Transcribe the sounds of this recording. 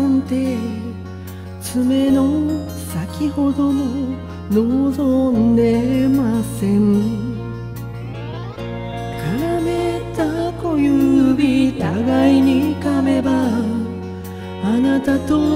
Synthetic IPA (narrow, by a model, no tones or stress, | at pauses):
nt̪e | t͡ɕɯmeno | sakʰihodonɯ | noson̩nemasen | kaɾametakojubitaɡaiɲikameba | anat̪at̪o